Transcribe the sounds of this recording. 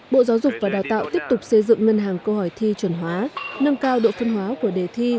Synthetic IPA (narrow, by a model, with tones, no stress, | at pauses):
ɓo̰˧˨za˨˦wzʊ˨˩k͡pk̚vaː˨˩ɗaː˨˩wt̪a̰ː˧˨wt̪i˦˥əp̚t̪ʊ˨˩k͡p̚sə˧jzɨ̰˧˨ŋːə˧nɦaː˨˩ŋkə˧hɔ˧˩jt̪ʰi˧t͡ɕwə˧˩nɦwaː˨˦nə˧mkaː˧wɗo̰˧˨fə˧nɦwaː˨˦ku˧˩əɗe˨˩t̪ʰi˧